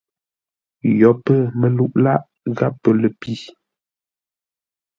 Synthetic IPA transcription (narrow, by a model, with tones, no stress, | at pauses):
jɔ˨˦pə˦˨mə˦˨lu˦ʔla˦ʔ | ɣa˦pːə˨lə˨pi˦